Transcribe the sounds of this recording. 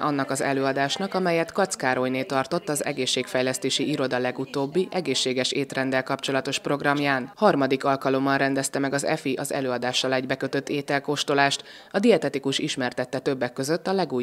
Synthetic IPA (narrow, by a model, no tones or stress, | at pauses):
ʔɒnːɒkɒzɛ̰løːɒd̪aːʃnɒkɒmɛjɛt̪kɒt̪skaːɾo̞jneːt̪ɒrt̪o̞t̪ːɒzɛ̰ɡeːʃːeːkfɛjlɛst̪eːʃiʔiɾo̞d̪ɒlɛɡut̪oːbːiʔɛɡeːʃːeːɡɛʃeːt̪rɛnd̪ɛlkɒpt͡ʃo̞lɒt̪o̞ʃpro̞ɡrɒmjaːnhɒrmɒd̪ikɒlkɒlo̞mːɒnrɛnd̪ɛst̪ɛmɛɡɒzɛ̰fiʔɒzɛ̰løːɒd̪aːʃːɒlɛɟbɛkø̞t̪ø̞t̪ːeːt̪ɛlkoːʃt̪olaːʃt̪ | ɒd̪iɛt̪ɛt̪ikuʃiʃmɛrt̪ɛt̪ːɛt̪ø̞bːɛkːø̞zø̞t̪ːɒlɛɡuː